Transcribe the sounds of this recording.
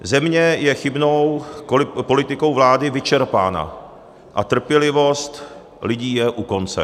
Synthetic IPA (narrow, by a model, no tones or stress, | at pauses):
zɛmɲɛjɛxɪbnowkolɪpo̞lɪt̪ɪko̞wvlaːdɪvɪt͡ʃɛɾpa̰ːna̰ | ʔat̪r̩pjɛlɪvo̞st̪ | lɪɟiːjɛʔuko̞nt͡sɛ̰